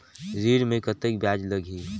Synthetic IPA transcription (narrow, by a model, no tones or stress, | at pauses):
ziːɾmẽkət̪ek̚bjaːd͡ʒləɡʱi